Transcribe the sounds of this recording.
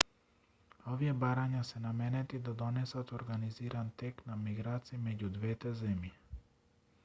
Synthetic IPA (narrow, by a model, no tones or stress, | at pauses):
ɔviɛbaɾaɲasɛnamɛnɛt̪id̪ad̪ɔnɛsat̪ɔɾɡaniziɾant̪ɛknamiɡɾat̪siːmɛɟud̪vɛt̪ɛzɛmji